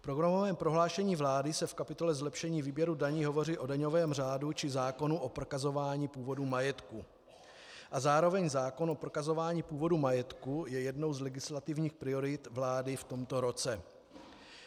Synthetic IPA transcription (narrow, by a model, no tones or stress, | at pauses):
fpɾoɡɾamovɛːmpɾo̞ɦlaːʃɛɲiːvlaːdɪsɛfkapɪt̪o̞lɛzlɛpʃɛɲiːviːbjɛɾudaɲiːɦo̞vo̞riːʔo̞daɲo̞vɛːmr̝aːdut͡ʃɪzaːko̞nuʔo̞pɾokazo̞vaːɲiːpuːvo̞dumajɛt̪ku | ʔazaːɾo̞vɛɲzaːko̞nʔopɾokazo̞vaːɲiːpuːvo̞dumajɛt̪kujɛjɛdno̞wzlɛɡɪslat̪ɪvɲiːxpɾɪo̞ɾɪt̪vlaːdɪft̪o̞mt̪o̞ɾo̞t͡sɛ